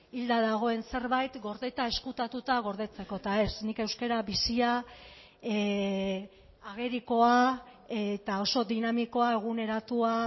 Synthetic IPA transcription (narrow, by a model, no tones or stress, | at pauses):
ild̪aðaɣ̞o̞e̞nse̞ɾβajt̪ɡo̞ɾðe̞t̪ae̞skut̪at̪ut̪aɣ̞o̞ɾðe̞t͡se̞ko̞t̪ae̞snike̞wske̞ɾaβisia | aɣ̞e̞ɾiko̞a | et̪ao̞so̞d̪inamiko̞ae̞ɣ̞une̞ɾat̪ua